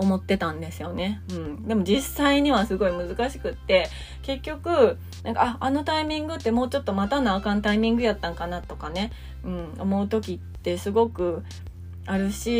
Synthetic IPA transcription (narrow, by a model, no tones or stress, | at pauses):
o̞mo̞t̪ːe̞t̪ãnd̪e̞sɨjo̞ne̞ɯ̟̃ɴd̪e̞mo̞d͡ʑisːaiɲ̟iβ̞asɨɡo̞imɯ̟zɨkaɕi̥kɯ̟t̪ːe̞ | ke̞kʲːo̞kɯ̟ | nʔãŋkaaano̞t̪aimʲĩŋɡɯ̟t̪ːe̞mo̞ːt͡ɕo̞t̪ːo̞mat̪anaːkãnt̪aimʲĩŋɡɯ̟jat̪ːãŋkanat̪o̞kane̞ | ɯ̟̃ɴo̞mo̞ɯ̟t̪o̞kʲit̪ːe̞sɨɡo̞kɯ̟ | aɾɯ̟ɕi